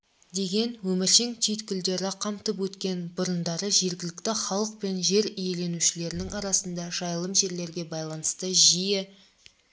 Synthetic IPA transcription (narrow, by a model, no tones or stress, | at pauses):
d̪e̞ɡʲe̞nwɵmɪɾʃeŋt̪ʲʰijt̪kʲʏld̪e̞ɾɪqʰɑmt̪əpwɵt̪kʲe̞nbʊɾənd̪ɑɾəʒe̞ɾɡʲɪlɪkt̪ɪχɑlˠəq̚pe̞nʒe̞ɾije̞le̞nuʃɪle̞ɾɪnɪŋɑɾɑsənd̪ɑʒ̥ɑjəlˠəmʒe̞ɾle̞ɾɡʲe̞bɑjlˠɑnəst̪əʒijɪ